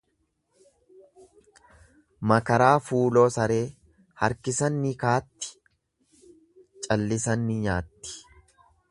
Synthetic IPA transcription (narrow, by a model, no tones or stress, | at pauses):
mɐkɐɾaːfuːlo̞ːsɐɾe̞ː | hɐ̰ɾkɪsɐnːɪkaːt̪ːɪ̥ | t͡ʃʼɐlːɪsɐnːɪɲaːt̪ːɪ̥